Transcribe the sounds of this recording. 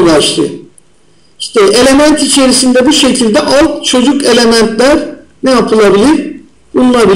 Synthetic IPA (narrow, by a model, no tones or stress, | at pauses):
baʃlˠɯ̰ | iʃt̪ʰɛʔe̞lʲe̞mænt̪it͡ʃʰe̞ɾisind̪ɛbiɾʃe̞cʰilʲd̪ɛʔalˠkt͡ʃʰo̞d͡ʒuke̞lʲe̞mænt̪lʲæɾ | nɛjapʰɯlˠabilʲiɾ | bunlˠabi